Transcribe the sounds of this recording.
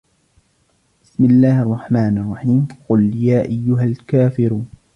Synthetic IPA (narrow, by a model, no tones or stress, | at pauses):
bɪsmɪlːaːhʔɑrˤːɑħmaːnʔɑrˤːɑħiːmqʊljaːʔajːʊɦalkaːfɪɾuːn